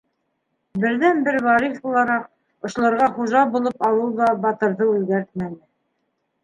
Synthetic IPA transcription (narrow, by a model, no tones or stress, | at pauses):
bɘ̆ɾðænbɘɾvɑɾifbulˠɑɾɑq̚ | ŏʃlˠɤ̆ɾʁɑχuʒɑbulˠɤpɑw̪ˠɤwlˠd̪ɑbɑt̪ɤ̆ɾðɤʉðɡæɾt̪̚mænɘ